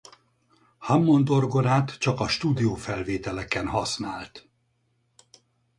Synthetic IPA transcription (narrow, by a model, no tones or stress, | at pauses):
hɒmːo̞nd̪o̞rɡo̞naːt̪t͡ʃɒkɒʃt̪uːd̪ijoːfɛlveːt̪ɛlɛkɛnɦɒsnaːlt̪